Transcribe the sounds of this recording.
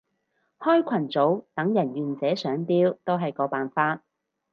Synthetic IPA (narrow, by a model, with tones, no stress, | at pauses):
hɔː˥jkʷʰɐ˨˩nt͡so˨˥wt̪ɐ˨˥ŋjɐ˨˩njyː˨˩nt͡sɛː˨˥sœː˨˥ŋpiː˥wt̪o˥wɦɐ˨jkɔː˨˧˥paː˨nfaː˧t̚